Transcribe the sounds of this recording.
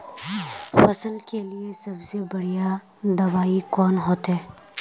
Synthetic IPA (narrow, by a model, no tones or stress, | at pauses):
fɐsəlkeliesɐbsebɐɽ̤ija | d̪ɐbaːikɔːnɦoːt̪ɦɛː